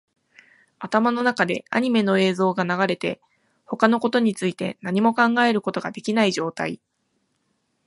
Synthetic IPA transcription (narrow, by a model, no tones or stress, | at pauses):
at̪amano̞nakad̪e̞a̰ɲ̟ime̞no̞e̞ːzo̞ːɡanaɡaɾe̞t̪e̞ | ho̞kano̞ko̞t̪o̞ɲ̟it͡sɨit̪e̞̰naɲ̟imo̞kãŋɡae̞ɾɯ̟ko̞t̪o̞ɡad̪e̞kʲinaiʑo̞ːt̪a̰i